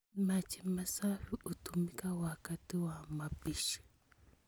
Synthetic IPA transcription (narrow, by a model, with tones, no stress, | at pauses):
ma˨t͡ʃʰi˨ma˨sa˦lu˦ʔu˨tu˨mi˦ka˦waka˦ti˦wama˨biʃi̥